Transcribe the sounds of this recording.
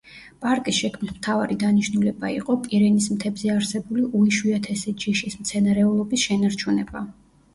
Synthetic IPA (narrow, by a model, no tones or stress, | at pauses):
pʼaɾkʼisʃɛkʰmnismt̪ʰavaɾid̪aniʃnulɛba̰ḭqʼɔpʼiɾɛnismt̪ʰɛbzɛaɾsɛbuliʔuiʃwiat̪ʰɛsɛd͡ʒiʃismt̪sʰɛnaɾɛulˠɔbisʃɛnaɾt͡ʃʰunɛ̰ba̰